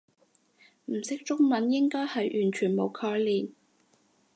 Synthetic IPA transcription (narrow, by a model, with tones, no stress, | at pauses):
m̩˨˩sɪ˥k̚t͡ʃʊ˥ŋmɐ˨˥njɪ˥ŋkɔː˥jhɐ˨jʔyː˨˩nt͡ʃʰyː˨˩nmo˨˧wkʰɔː˧jliː˨˩n